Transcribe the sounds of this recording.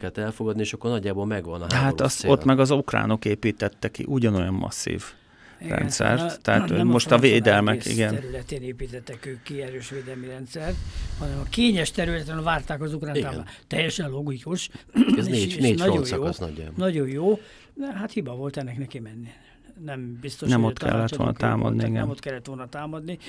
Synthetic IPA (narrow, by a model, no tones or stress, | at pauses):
ɛlt̪ɛlfoɡɒd̪nieːʃɒkːornɒɟːaːbolmɛɡʋɒnɒɦaɒst̪ot̪ːmɛɡɒzukra̰ːno̞keːpiːt̪ɛt̪ːɛkḭʔuɟɒno̞jɒmːɒ̰sːḭːv | rɛ̰nnsɛ̰rttt̪ɛɦaommo̞ʃtt̪ɒveːd̪ɛlmɛkḭɡɛnɛɾylɛt̪eːneːpiːt̪ɛt̪ːɛkøːkːiɛɾøːʃʋeːd̪ɛlmiɾɛnt̪sɛrt̪hɒnɛmɒkeːɲɛʃt̪ɛɾylɛt̪ɛnvaːrt̪aːkɒzukraːnaːmːt̪ɛjːɛʃɛnlo̞ɡikuʃ | eneːɒoososnɔɟa̰nɒɟo̞jjoː | ɛɦat̪hibɒvo̞lt̪ɛnːɛknɛkimɛnːi | nɛmbist̪onʃɛmot̪kʰɛ̰lːɛt̪ʋolnɒ̰t̪a̰ːmɒ̰d̪niiɡɛ̰mot̪kɛlːɛt̪ʋo̞lnɒt̪aːmɒd̪ni